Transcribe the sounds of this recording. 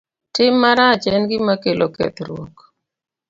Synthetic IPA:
tɪmːaɾat͡ʃɛnɡɪmakelokɛ̰t̪ɾwo̰k

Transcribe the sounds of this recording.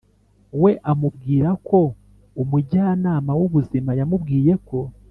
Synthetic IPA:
we̞ʔamubɡiːɾako̞ | umuɟaːnaːmawuβuzimajamubɡiːje̞ko̞

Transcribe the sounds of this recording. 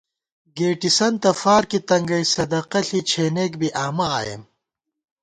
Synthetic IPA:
ɡeːʈisɐnt̪ɐfaːɾkit̪ɐŋɡɐjsɐd̪ɐqɐɬit͡ɕʰeːneːkbiʔaːmɐaːjḛm

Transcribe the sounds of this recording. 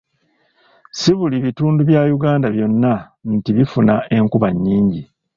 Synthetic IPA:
siβuliβituːnduβjaːjuɡaːndaβjo̞nːa | ntiβifunaʔe̞ŋkuβaɲːiːɲɟi

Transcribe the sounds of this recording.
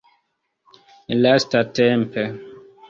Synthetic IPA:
lastatɛ̃mpʰɛ

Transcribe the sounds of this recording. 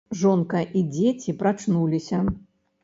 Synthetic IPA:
ʐɔnkɐʔid͡zʲet͡sʲipɾat͡ʂnulʲisʲɐ

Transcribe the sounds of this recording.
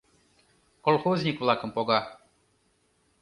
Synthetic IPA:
kolˠxozʲnʲikvlˠakə̆mpɔɡa

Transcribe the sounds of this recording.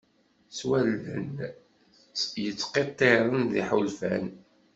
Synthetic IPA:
swælːə̰n | jət͡sːqet̪ˤːeɾˤənðḭħulfæn

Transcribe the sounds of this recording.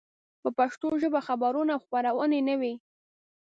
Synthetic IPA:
pəpaʃt̪oʒəbaxabaɾunawxpaɾawənenəwi

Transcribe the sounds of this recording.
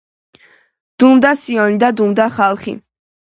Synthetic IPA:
d̪̥umd̪asiɔnid̪ad̪umd̪aχalˠχḭ

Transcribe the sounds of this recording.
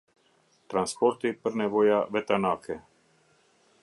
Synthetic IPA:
t̪ɾanspɔɾt̪ipr̩nɛʋojaʋɛt̪anaːkɛ

